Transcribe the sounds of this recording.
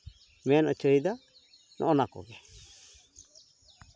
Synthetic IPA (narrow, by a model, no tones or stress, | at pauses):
mɛnət͡ʃəid̪a | nʔɔ̰ʔɔnakɔ̰ɡɛ